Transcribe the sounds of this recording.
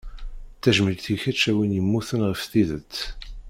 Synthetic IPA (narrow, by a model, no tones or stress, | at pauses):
θæʒməlɡθiçæt͡ʃːæwinjəmːuθənʁəfθiðət͡sː